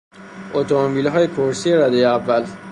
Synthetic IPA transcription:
ʔot̪ʰomobiːlɦɒːjepʰoɾsijeɾæd̪ejeævːæl

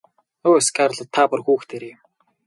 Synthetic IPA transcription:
oːeskaɾɮə̆t̪ʰːaːpʊ̆rxuːxt̪ʰeɾem

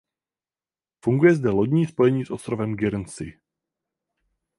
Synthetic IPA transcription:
fuŋɡujɛzdɛlo̞ɟɲiːspo̞jɛɲiːsʔost̪ɾovɛmɡɪɾnsɪ̰

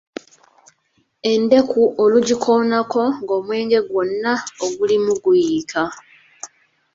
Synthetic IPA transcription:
e̞nde̞kʰuʔoluɟikʰo̞ːnako̞ŋɡo̞ːmwe̞ːɲɟe̞ɡwo̞nːaoɡulimuɡujiːkʰa

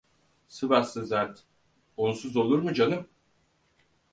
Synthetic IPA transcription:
sɯbasɯzaɾt̪ | onsuzo̞lˠuɾmud͡ʒanɯm

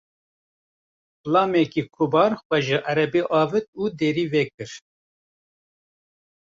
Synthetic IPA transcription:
plɑːmɛkiːkʰubɑːɾxʷɛʒɨʔæɾɛbeʔɑːvɨt̪̚uːd̪eːɾiːvɛk̚ɨɾ

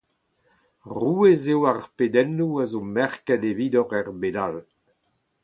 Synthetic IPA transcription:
ʁuːezewaʁpedɛnuazomɛʁkɛdeviːdɔʁɛʁbedal

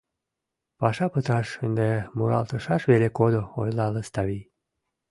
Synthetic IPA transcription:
pɑʃɑpət̪ɑʃənd̪emuɾɑ̰lt̪əʃɑʃβelekod̪oo̰jlɑləst̪ɑβij

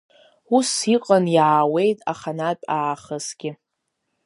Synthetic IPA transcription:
usiqʼanjaːwe̞jtʼaχanatʼaːχəsɡ̥ʲɪ

